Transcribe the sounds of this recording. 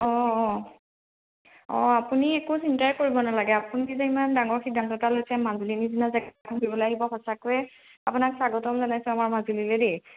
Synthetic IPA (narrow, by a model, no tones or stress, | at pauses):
ɔ | ɔ̰̃apuniekusintajkoɹibɔnalaɡɛapunizɛimandaŋɔɹxidʱantɔtalojsɛmazulinizinazɛkakʰɔbibɔlaɦibɔxɔsakojɛ | apunaksaɡɔtɔmzanajsʊ̃amaɹmazulilɛde